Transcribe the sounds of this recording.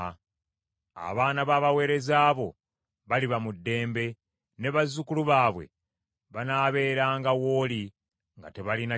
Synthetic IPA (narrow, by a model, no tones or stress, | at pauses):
a̰βaːnaβaːβawe̞ːɾe̞zaːβo̞ | βaliβamudːe̞ːmbe̞ | ne̞βazːukuluβaːβwe̞̰ | βanaːβe̞ːɾaːŋɡawo̞ːli | ŋɡa̰te̞βalina